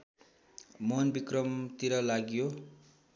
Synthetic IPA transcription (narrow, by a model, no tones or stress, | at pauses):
monbikrʌmt̪iɾʌlaɡjo